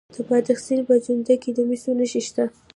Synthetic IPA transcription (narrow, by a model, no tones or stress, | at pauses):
d̪̥əpɑd̪axsilpəd͡ʒʊnd̪aked̪əmisonəʃiʃt̪a